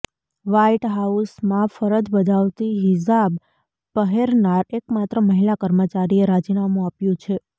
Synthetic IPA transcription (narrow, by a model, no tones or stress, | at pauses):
ʋaiʈɦausmãfəɾəd͡ʒbəd̪ʱaʋt̪iɦɪs̬ab | pəɦeɾnaɾek̚mat̪ɾəməɦilakəɾmət͡ʃaɾieɾad͡ʒinamũapjũt͡ʃʰe